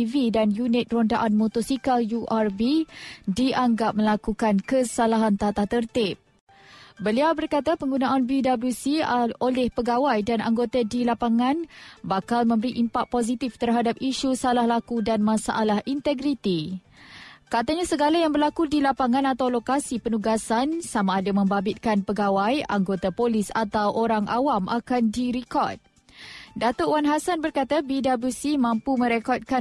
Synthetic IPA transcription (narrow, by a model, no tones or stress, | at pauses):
vidanjunɪt̪̚rondaʔanmɔt̪ɔsikaljuʔarbidiʔaŋɡap̚mə̃lakukankəsalaɦant̪at̪at̪ərt̪ɪp̚ | bəliawbərkat̪apəŋɡunãʔanbidablusiolɛhpəɡawajdana̰ŋɡot̪adilapaŋãnbakalmə̃mbəɾiʔimpak̚pozit̪ift̪ərɦadap̚iʃusalahlakudanmãsa̰ʔalahʔint̪əɡɾit̪i | kat̪aɲasəɡalajaŋbərlakudilapaŋãnat̪awlokasipənuɡasansamaːdamə̃mbabɪt̪̚kanpəɡawaja̰ŋɡot̪apolɪsat̪awʔoɾaŋʔawamʔakandiɾikɔ̰rt̪̚ | dat̪oʔwanɦasanbərkat̪abidabusimãmpumə̃ɾekɔt̪̚ka